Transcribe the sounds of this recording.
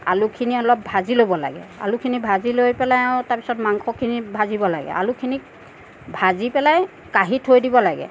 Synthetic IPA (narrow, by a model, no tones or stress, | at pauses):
a̰lukʰiniɔlɔp̚bʱazilobɔla̰ɡɛ̰a̰lukʰinibʱazilojpɛlajãtaɹpi̥sɔtmaŋkʰɔkʰinibʱazibɔla̰ɡɛ̰ʔa̰lukʰini | bʱazipɛlaj | kaɦitʰhojdibɔlaɡɛ̰